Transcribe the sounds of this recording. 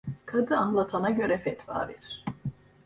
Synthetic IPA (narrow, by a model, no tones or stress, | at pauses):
kʰad̪ɯanlˠat̪ʰanaɟø̞ɾɛfɛt̪va̰ːvɛ̰ɾ̥